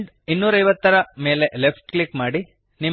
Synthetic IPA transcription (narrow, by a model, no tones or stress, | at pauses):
ɖ | inːuːɾɐjʋɐt̪ːɐɾɐme̞ːle̞ʔlepʈklikmaːɽi | ni